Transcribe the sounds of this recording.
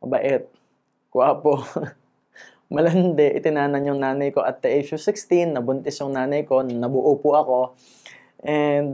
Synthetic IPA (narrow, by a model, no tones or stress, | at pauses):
bɐʔɛt̪̚ | kʊʔaːpo | mɐlɐnd̪ɛʔɪ̰t̪ɪnaːnɐnjʊŋnaːnɐjko̞ʔɐt̪̚ːɛʔet͡ʃʊsɪkst̪inːɐbʊnt̪ɛsjʊŋnaːnɐjko̞nɐbʊʔupʊʔɐko̞ | ʔɛnd̪